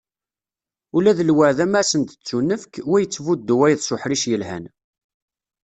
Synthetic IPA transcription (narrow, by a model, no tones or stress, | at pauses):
ulæðəlwəʕðæmæsənt̪ə̥t͡sːunːəfkwæjət͡sːvud̪ːuwæjðsʊħɾiʃjəlhæ̰n